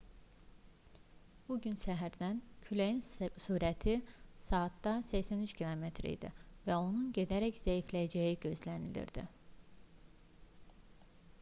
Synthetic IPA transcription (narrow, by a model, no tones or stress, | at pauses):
b̥uɟynsæɦæɾd̪æncʰylejinsuːɾæt̪ʰisɑːt̪ːɑsæçsænyt͡ʃcʰilˠo̞met̪ʰɾḭjd̪ḭvæo̞nunɟe̞d̪æɾæcz̥æjiflæjæd͡ʒæjiɟø̞zlænilḭɾd̪̥ḭ